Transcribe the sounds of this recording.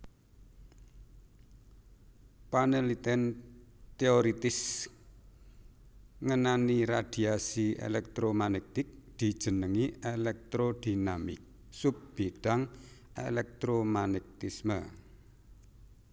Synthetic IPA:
panelit̪ɛnt̪eoɾit̪ɪs | ŋənaniɾad̪̥iasiḛlɛk̚t̪ɾomanɛk̚t̪ɪk̚d̪̥i̤̥ʒ̥ə̤nəŋiʔelɛk̚t̪ɾod̪̥inamɪ̰k̚ | sup̚b̥iɖ̥aŋʔḛlɛk̚t̪ɾomanɛk̚t̪ismə

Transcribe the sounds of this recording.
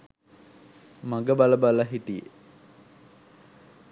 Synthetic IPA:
maɡəbaləbaləɦiʈijḛ

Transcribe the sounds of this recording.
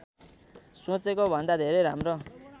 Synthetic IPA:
sũt͡sekobʱʌnd̪ad̪ʱeɾejɾamro

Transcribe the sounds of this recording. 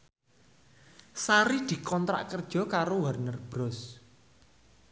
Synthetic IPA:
saɾid̪̥i̤kɔnt̪ɾa̰ʔkərd̥ʒ̥ɔ̤kaɾowarnərb̥ɾɔs

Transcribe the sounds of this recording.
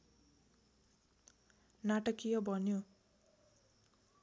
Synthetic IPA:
naʈʌkːijʌbʱʌnjo

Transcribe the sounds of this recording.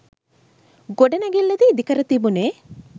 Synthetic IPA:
ɡoɖenaɡelːɐd̪id̪ikɐɾət̪ibune

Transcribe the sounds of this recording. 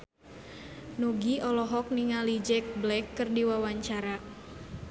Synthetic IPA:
nɔɡiɔlɔɦɔk̚niŋalid͡ʒɛk̚blɛkːɨrdiwawaɲt͡ʃaɾa

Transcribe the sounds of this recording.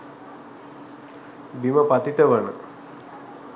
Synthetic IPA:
biməpat̪it̪əʋənə

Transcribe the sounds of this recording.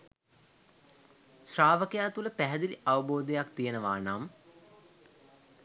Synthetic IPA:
sraːʋəkəjaːt̪uləpæɦɛd̪iliʔaʋəboːd̪ejakt̪ijenəʋaːnaːm

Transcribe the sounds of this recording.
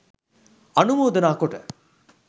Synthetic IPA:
ɐnumoːd̪ɐnaːkoʈɐ̰

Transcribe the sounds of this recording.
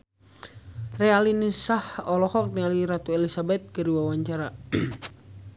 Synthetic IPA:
rɛalinisahɔlɔhɔk̚nialiɾat̪uɛlisabɛt̪̚kəɾiwawaɲt͡ʃaɾa

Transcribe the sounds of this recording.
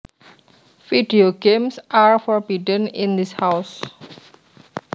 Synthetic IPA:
fiɖioɡẽmsʔaɹfɔɹbiɖə̃nĩnd̪ishaʊs

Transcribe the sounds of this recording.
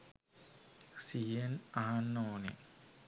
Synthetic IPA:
sienaɦanːoːnḛ

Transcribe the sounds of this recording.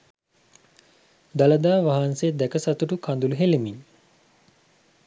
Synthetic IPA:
d̪aləd̪aːʋaɦansed̪ækəsat̪uʈukʰand̪uluɦelemiɲ

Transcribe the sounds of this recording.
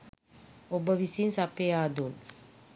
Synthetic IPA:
obəʋisinsapead̪un

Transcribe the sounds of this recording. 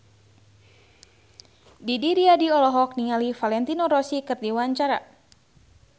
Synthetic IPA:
didiɾiadiɔlɔɦɔk̚niŋalifalɛnt̪inɔɾɔsikɨrdiwaɲt͡ʃaɾa̰

